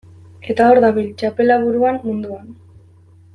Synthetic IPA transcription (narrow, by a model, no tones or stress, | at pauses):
e̞t̪ao̞ɾðaβilt͡ʃape̞laβuɾuanmund̪uan